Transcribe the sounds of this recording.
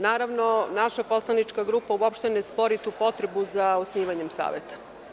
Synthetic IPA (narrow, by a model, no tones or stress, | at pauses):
naːɾaʋno̞naʃapo̞slˠanit͡ʃkaɡɾuːpauopʃt̪enespo̞ɾit̪uːpo̞t̪ɾebuzaosniːʋaɲemsa̰ːʋet̪ḁ